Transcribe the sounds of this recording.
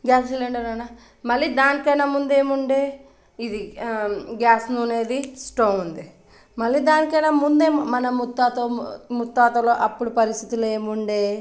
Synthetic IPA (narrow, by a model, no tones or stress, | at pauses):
ɡaːsseleɳɖɐɾɐna | mɐɭːiːd̪aːnikɐjnaːmund̪ue̞ːmuɳɖe̞ː | id̪i | ɡaːsnune̞ːd̪isʈoːund̪i | mɐɭːiːd̪aːnikɐjnaːmund̪eːmɐnɐmut̪ːaːt̪omut̪ːaːt̪ɐloːʔɐpːuɽupɐɾist̪ʰit̪uleːmuɳɖeː